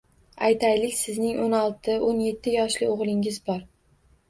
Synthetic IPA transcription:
a̰jt̪ʰajlɪkʲsɪznɪŋʔonɒlˠt̪ʰɪonje̞t̪ʰːɪjɒʃlɪoʁlˠɪŋɪzbɒɾ

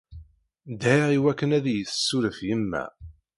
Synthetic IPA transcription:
d̪hiʁiwækːənæðjət͡ssːuɾəfjəmːæ̰

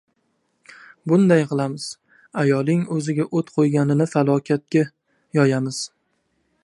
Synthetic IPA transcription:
bʊnd̪ajqʰɨlˠamɪz̥ | ajɒlˠɪŋɵzɪɡʲaʔɵt̪qʰojɡʲanɪnɪfalˠɒkʲʰat̪̚kʲa | jɒjamɪz̥

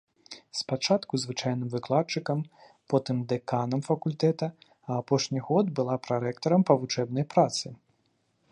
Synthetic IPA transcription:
spat͡ʂat̪kuzvɨt͡ʂajn̪ɨmvɨklˠatt͡ʂɨkɐm | pɔt̪ɨmd̪ɛkanɐmfɐkulʲt̪ɛt̪ɐ | ɐːpɔʂnʲiɣɔd̪bɨlˠapɾaɾɛkt̪ɐɾɐmpɐvut͡ʂɛbnɐjpɾat̪sɨ

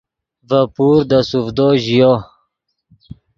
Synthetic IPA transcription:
vapuːɾd̪asufd̪oʑijo

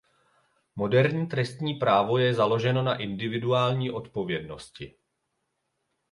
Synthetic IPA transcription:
mo̞dɛɾɲiːt̪ɾɛst̪ɲiːpɾaːvo̞jɛzalo̞ʒɛno̞naʔɪndɪvɪduaːlɲiːʔo̞t̪po̞vjɛdno̞scɪ

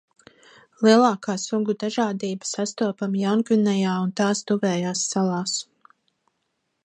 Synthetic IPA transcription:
lˠiɛlˠaːkaːsuɡud̪aʒaːd̪iːbḁsast̪uɔpamjawnkinɛjaːunt̪aːst̪uvɛːjaːsːalˠɑːs

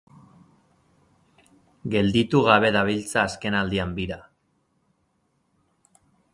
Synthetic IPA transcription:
ɡe̞ld̪it̪uɣaβe̞ðaβ̞ilt͡saːske̞nald̪iambiɾa

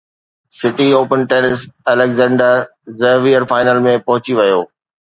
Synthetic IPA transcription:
sɪʈioːpənʈeːnəsɛːlɛkzɛ̃ːɳɖəɾ | zəɦʋiəɾfaːɪnəlmẽpɐɦʊt͡ɕiʋɐjoː

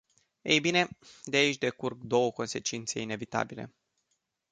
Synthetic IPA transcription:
e̞̰jbine̞d̪eait͡ʃʲd̪e̞kurk̚d̪o̞wəko̞nse̞t͡ʃint̪se̞ine̞vit̪a̰bile̞̰

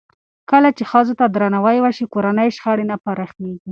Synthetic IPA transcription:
kəlat͡ʃexazot̪ad̪ɾanawajwaʃikoɾanəjʃxaɽenapaɾaxneɡi

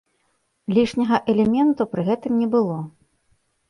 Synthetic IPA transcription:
lʲiʂnʲɐɣɐʔɛlʲɛmʲɛnt̪upɾɨɣɛt̪ɨmnʲɛbɨlˠɔ

